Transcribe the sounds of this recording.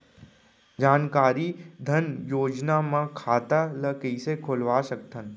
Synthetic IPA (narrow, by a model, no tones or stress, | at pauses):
d͡ʒaːnkaːɾid̪ʱənjoːd͡ʒnamãkʰaːt̪aləkəisekʰʊlʋasək̚t̪ən